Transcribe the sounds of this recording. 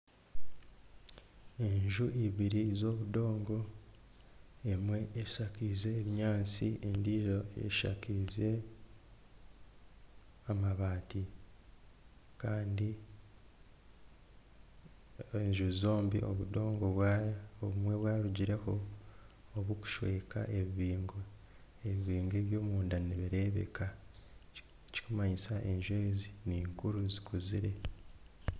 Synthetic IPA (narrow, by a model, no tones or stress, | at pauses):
e̞ɲʒuʔiβiɾizo̞ːβudo̞ːŋɡo̞ | emwe̞ːʃakize̞ːβiɲaːnt͡siendiʒoḛʃa̰kize̞ | amaβaːti | kaːndi | eɲʒuzoːmbiʔo̰βudo̞ːŋɡo̞βwaoβumwe̞βwaːɾuɟiɾe̞ho̞ː | βuku̥ʃwe̞ːka̰ʔe̞βiβiːŋɡo | eβiβiːŋɡeːβjo̞ːmuːndaniβiɾe̞ːβḛka | eci̥kumaɲisaʔe̞ɲʒweːziniːŋkuɾuzikʰuziɾe̞